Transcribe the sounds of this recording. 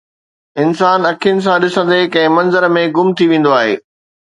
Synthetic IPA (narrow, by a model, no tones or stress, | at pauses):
ɪnsaːnɐkʰiənɪ̆s̬ãɗɪsə̃nd̪ekɐ̃ɦɪ̃mɐ̃nzəɾmẽɡʊmt̪ʰiʋẽːn̆d̪oaːɦḛː